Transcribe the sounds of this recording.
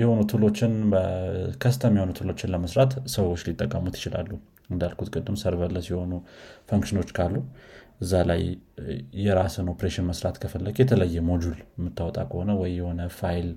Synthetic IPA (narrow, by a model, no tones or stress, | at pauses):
jɛho̞nut̪ʰɨlo̞t͡ʃːɪnbəkʰəst̪ʰəmjhonut̪ʰɨlo̞t͡ʃːɪnləməsɾat̪səwo̞t͡ʃːlit̪ʼːəkʼːəmut̪ʰɪ̥t͡ʃɪla̰lːu | ɨnd̪alkʰut̪kʼɨd̪ːɨmsəɾbəlːəsiho̞nufəŋkʃɪno̞t͡ʃːkʰalːuʔɨzːala̰jː | ɛɾasənopɾeʃɪnməsɾat̪kʰəfəlːəɡjɛt̪ʰələjːɛmo̞d͡ʒulmːɨt̪ːawɔt̪ʼa̰kʰəho̞nəwɔjːɛho̞nəfajl